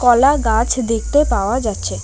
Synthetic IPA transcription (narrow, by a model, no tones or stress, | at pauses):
kɔlaɡat͡ɕʰd̪ek̚ʰt̪epaoad͡ʑatːɕʰe